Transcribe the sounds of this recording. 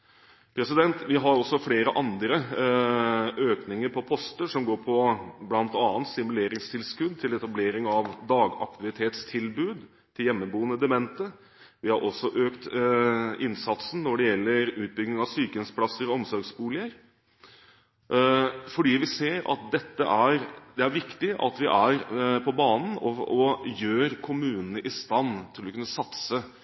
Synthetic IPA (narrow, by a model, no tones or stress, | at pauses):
pʰɾɛsɪd̪ɛnt̪ʋɪɦɑɾɔsːɔfleːɾəʔɑnd̪ɾə | ʔøːknɪŋəɾpʰɔpʰɔst̪əʂɔmɡoːɾpʰɔblɑnt̪ɑːnt̪sɪmʉleːɾɪŋst̪ʰɪlskʉd̪̚t̪ʰɪlɛt̪ɑbleːɾɪŋɑʋd̪ɑːɡɑ̰k̚t̪ɪʋɪt̪ʰeːt̪st̪ʰɪlbʉːd̪ | t̪ʰɪljɛmːəbuːənəd̪ɛmɛnt̪ə | ʋɪhɑɾʔɔsːɔʔøːkt̪ | ɪnsɑt̪sn̩nːɔɖɛjɛlːəɾʉːt̪̚bʏɡnɪŋɑʋsyːkənspʰlɑsəɾɔɔmsɔɾɡsbuːlɪəɾ | fɔɖiːʋɪseːɾɑ̰t̪̚d̪ɛt̪ːə̰ʔæɾd̪ɛæɾʋɪkt̪ɪʔɑ̰t̪ʋɪʔæɾpʰɔbɑːnən̩ɔɔjøːɾkʰʊmʉːnənəʔɪst̪ɑnːt̪ʰɪlɔkʉnːəsɑt̪sə